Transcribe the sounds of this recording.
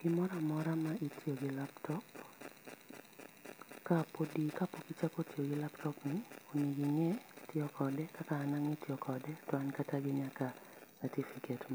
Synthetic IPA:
ɡ̥ɪmɔɾamɔɾamaʔitjoɡɪlaptɔp | kapodikapokit͡ʃakotʰjoɡɪlaptɔpnɪoniɡiŋɛtjɔkʰɔdɛkakaːnaŋetjɔkʰɔdɛtɔankataɡɪɲaka | sɛtifiketma

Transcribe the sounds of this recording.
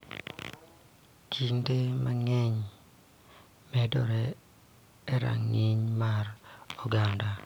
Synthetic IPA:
t͡ʃiŋtemaŋɛɲ | mɛdɔɾɛː | ɾa̰ŋiɲmarɔɡanda

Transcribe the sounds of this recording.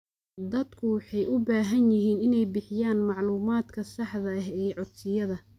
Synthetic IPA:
d̪ɐd̪kʰʊwɑħɑjʔʊbaːɦɐnjɪɦiːnɪnɛjbɪħɪjaːnmɑʕluːmaːd̪kʰɐsɑħðɐɐɦɛːʕʊsɪjɐðɐ

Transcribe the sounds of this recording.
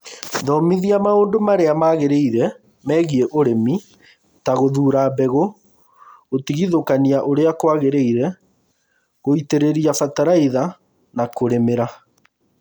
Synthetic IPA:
ðɔmiðiamaoːndomaɾeamaɣeɾeiɾɛ | mɛɣieʔoɾemi | taɣoðuːɾabɛɣo | ɣotiɣiðokaniaʔoɾeakwaɣeɾeiɾɛ | ɣoiteɾeɾiafataɾaiða | nakoɾemeɾa

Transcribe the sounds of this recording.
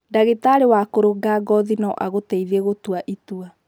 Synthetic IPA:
daɣetaɾewakoɾoɡaɡɔðinɔʔaɣotɛiðeɣotuaʔitua

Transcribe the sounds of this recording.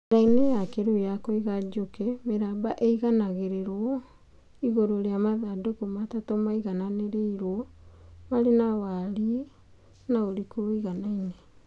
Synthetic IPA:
ɾainejakeɾojakɔiɣad͡ʒokɛmeɾabaʔeiɣanaɣeɾeɾwɔ | iɣoɾoɾeamaðadokomatatɔmaiɣananeɾeiɾwɔmaɾenawaɾie | naoɾikoɾoiɣanaine

